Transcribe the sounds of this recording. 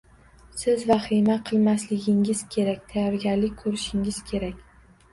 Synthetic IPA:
sɪzvaχimaqʰɨlˠmaslɪɡʲɪŋɪz̥kʲʰe̞ɾak̚ʲt̪ʰajɒɾɡʲaɾlɪk̚ʲkʰɵɾɪʃɪŋɪz̥kʲʰe̞ɾakʲ

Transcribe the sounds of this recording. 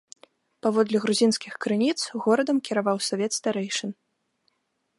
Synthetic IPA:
pavɔd̪lʲɐɣɾuzʲinskʲixkɾɨnʲit̪sɣɔɾɐd̪ɐmkʲiɾavawsɔvʲɛt̪st̪aɾɛjʂɐn

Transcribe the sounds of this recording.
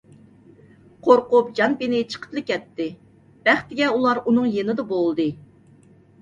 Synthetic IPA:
qʰoɾqʊp̚d͡ʒɑnpinɪt͡ʃʰə̥qʰə̥t̪lˠɨkʲɛt̪ːɪ | b̥æχt̪ɪɡʲɛulˠɑɾunɨŋjenɨd̪ɑbolˠd̪ɨ

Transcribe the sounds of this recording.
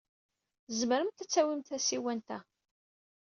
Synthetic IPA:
zməɾəmt̪æt͡sːæwimt̪θæsiwænt̪æ

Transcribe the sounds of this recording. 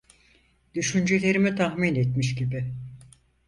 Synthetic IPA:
d̪̥yʃynd͡ʒelʲe̞ɾimit̪ʰahminet̪miʃɟibɪ

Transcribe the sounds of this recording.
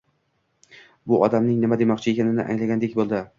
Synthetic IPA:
bʊʔɒd̪amnɪŋnɪmad̪e̞mɒqt͡ʃʰɪe̞kʲʰanɪnɪ̰ʔa̰ŋlaɡʲand̪ekʲbolˠd̪ɪ

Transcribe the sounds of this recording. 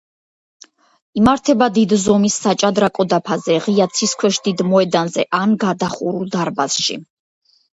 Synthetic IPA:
imaɾt̪ʰɛbad̪id̪zɔmisːat͡ʃʼad̪ɾakʼɔd̪apʰazɛʁiat̪sʰiskʰwɛʃd̪id̪mɔɛd̪anzɛʔanɡad̪aχuɾulˠd̪aɾbasʃḭ

